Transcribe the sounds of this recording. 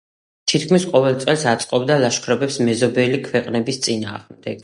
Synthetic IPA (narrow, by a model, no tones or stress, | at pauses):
t̪ʰit̪ʰkʰmisqʼɔvɛlˠt̪sʼɛlˠsat̪sʼqʼɔbd̪alaʃkʰɾɛbɛpsmɛzɔbɛlikʰwɛqʼnɛbist̪sʼina̰ːʁmd̪ɛɡ̥